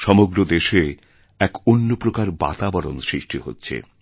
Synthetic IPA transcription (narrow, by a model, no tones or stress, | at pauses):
ʃɔmoɡɾod̪eʃe | ɛkonːopɾokaɾba̰t̪abɔɾo̰nsɾiʃʈiɦo̰tːɕʰḛ